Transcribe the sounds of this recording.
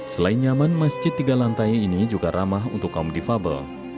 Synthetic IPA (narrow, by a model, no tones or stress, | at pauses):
səlainɲamanmasd͡ʒɪt̪ːiɡalant̪ajiinid͡ʒuɡaɾʔamaɦṵnt̪ʊkːaumdifabə̰l